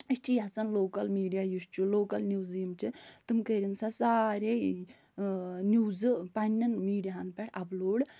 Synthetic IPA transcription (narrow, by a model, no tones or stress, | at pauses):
ist͡ʃʰijɐt͡sɐnloːkɐlmiːɖijaːjust͡ʃʰuloːkɐlnʲuːziːmt͡ʃʰit̪ɨmkəɾinsasaːɾʲe | nʲuːzɨpɐnːɐnmiːɖijaɦɐnpɛʈʰɐploːɽ